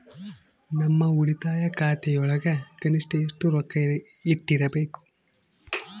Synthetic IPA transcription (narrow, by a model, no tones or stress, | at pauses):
nɐmːɐuɽit̪aːjɐkaːt̪ɛjɔɭɐɡɐkɐnisʈɐjisʈ̪uɾɔkːɐjɾ | iʈːiɾɐbeːku̥